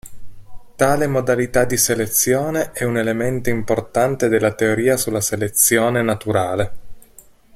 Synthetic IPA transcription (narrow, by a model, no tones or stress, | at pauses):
t̪aːlemod̪alit̪ad̪iselet̪sːjoːneʔɛunelement̪oimport̪ant̪ed̪elːat̪eoɾiːasulːaselet̪sjoːnenat̪uɾaːle